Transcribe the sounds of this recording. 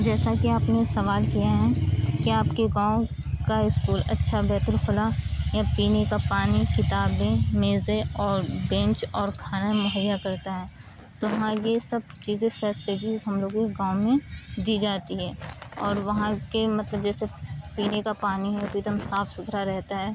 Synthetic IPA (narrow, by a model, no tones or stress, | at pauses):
d͡ʒɛːsakiaːpnesɐʋaːlkijaɦɛkiaːpkeɡãːõ | kaɪskuːlɐ̰tːʃʰabɛːt̪əlfʊlajapiːnekapaːnikɪt̪aːbẽmeːzẽɔːɾbɛ̃nt͡ʃɔːɾkʰaːnamʊɦəjːakɐɾt̪aɦɛː | t̪ʊɦãjesɐb̚ | t͡ʃiːzẽfɛːsleːd͡ʒiːzɦɐmloːɡõkeɡãːõmẽd̪iːd͡ʒaːt̪iɦɛːɔːɾʋɐɦãkemɐt̪ləb̚d͡ʒɛːsepiːnekapaːniɦɛt̪oɪd̪əmsaːfsʊt̪ɾaɾɛɦt̪aɦɛː